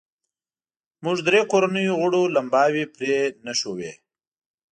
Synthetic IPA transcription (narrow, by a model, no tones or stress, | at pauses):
mʊʐd̪ɾekoɾanəjoɣʊɽolambɑːwipɾenaʃowe